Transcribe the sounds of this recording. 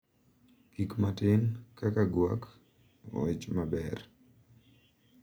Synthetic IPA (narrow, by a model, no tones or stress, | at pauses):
kikmatɪnkakaɡwa̰k | ɛt͡ʃmabɛr